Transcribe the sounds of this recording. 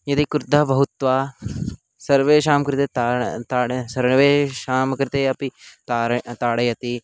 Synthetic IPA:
jɐt̪ikɾd̪abɐɦut̪ʋaː | sɐɾʋeːʃaːmkɾɪt̪eːt̪at̪aːsɐɾɳʋeːʃaːmkɾɪt̪eːɐpit̪aːt̪aːɽɐjɐt̪i

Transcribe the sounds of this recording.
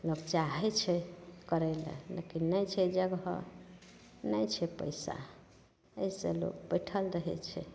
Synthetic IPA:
lokt͡ʃaɦɛt͡ʃʰɛkəɾɛlḛlḛkinːəjt͡ʃʰɛd͡ʒəɡɦə̰ | nəjt͡ʃʰɛpə̰jsa̰ | əjselo̰kbəɪʈʰəlɾəɦɛ̰t͡ʃʰɛ̰

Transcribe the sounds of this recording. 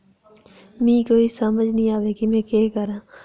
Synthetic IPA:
mĩːkoːisəməd͡ʒnəɦĩːaːʋekimɛ̃ːkeːkəɾãː

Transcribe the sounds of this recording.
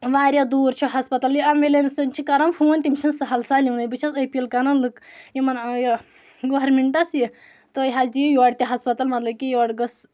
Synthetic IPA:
ʋaːɾʲjad̪uːɾt͡ʃʰuɦɐspɐt̪ɐljiɐmʋelensɨnʲt͡ʃʰikɐɾɐmfʰunʲt̪imʲt͡ʃʰinsɐɦɐlsaːlʲiwnɐjbɨt͡ʃʰɐsɐpʲilkɐnɐnlɨkjimɐnji | ɡoɾmeɳʈɐsji | t̪ɨjɦɐd͡ʒd̪ijijoːɽt̪ʲiɦɐspɐt̪ɐlmɐt̪lɐb̚kʲijɔːɖɡɐs

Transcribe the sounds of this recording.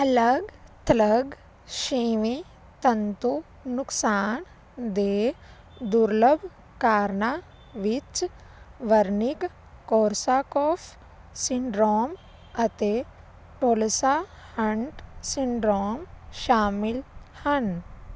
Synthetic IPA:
ɐləɡt̪ɐləɡ | ʃiːʋe | t̪ɐnt̪u | nʊksaːn | d̪eː | d̪uɾləbʱ | kaːɾna | ʋit͡ʃ | ʋɐɾnik | koːɾsaːkoːf | siɳɖɾoːm | ɐt̪e | ʈoːlsa | hɐɳʈsiɳɖɾoːmʃaːmɪlhɐn

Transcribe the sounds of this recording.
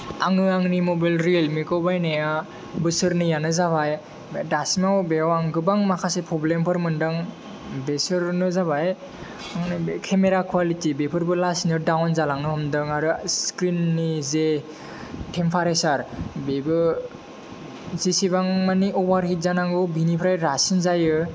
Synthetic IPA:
aŋɯaŋnimobajlɾielmikɔbajneja | bɯsɯɾnɯjanɯzabaj | dasmawbewaŋɡɯbaŋmakʰasepʰɔblempʰɯɾmɯndɯŋ | besɯɾnɯzabaj | aŋnkʰemeɾakʰuwalitibepʰɯɾbɯlasnɯdawnzalaŋnɯhɔmdɯŋaɾɯskɾinːize | tʰempʰaɾesaɾbebɯ | zisibaŋmaniɔbaɾhit̚zanaŋɡɯwbinipʰɾajɾasinzajɯ

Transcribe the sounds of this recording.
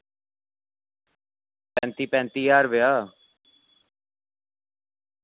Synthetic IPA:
pɛ̃ːnt̪iːpɛ̃ːnt̪iːjaːɾʋɪjaː

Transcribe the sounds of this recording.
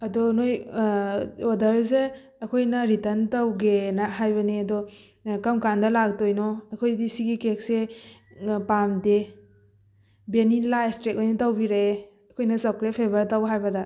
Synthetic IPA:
ɐdɔnoj | odɐɾse | ɐkʰojnɐɾitɐntɐwɡenɐɦajbɐniɐdɔ | kɐmkandɐlak̚tojnɔɐkʰojdisiɡikek̚se | pamde | benilajstɾek̚ojnɐtɐwbiɾee | ɐkʰojnɐsɐkɾepʰebɐɾtɐwɦajbɐdɐ

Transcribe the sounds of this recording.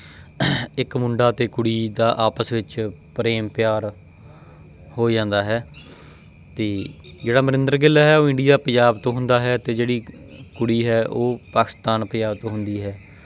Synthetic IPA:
ɪkmʊɳɖaːt̪eːkʊɽiːd̪aːʔaːpəsʋɪt͡ʃpɾeːmpɪjaːɾ | hoːd͡ʒãːnd̪aːɦɛː | t̪eːd͡ʒeːɽaːməɾɪ̃nd̪əɾɡɪlːaːɦɛːoːɪ̃ɳɖijaːpəd͡ʒaːbt̪õːɦʊ̃nd̪aːɦɛːt̪eːd͡ʒeːɽiː | kʊɽiːɦɛːʔoːpaːkɪ̥st̪aːnpəd͡ʒaːbt̪õːɦʊ̃nd̪iːɦɛː

